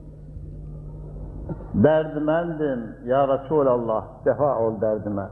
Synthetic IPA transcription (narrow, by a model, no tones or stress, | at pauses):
d̪æɾd̪imænd̪ɪmjɑːɾɑsuːlɑlˠːɑhd̪̥ɛfɑʔold̪æɾd̪imæ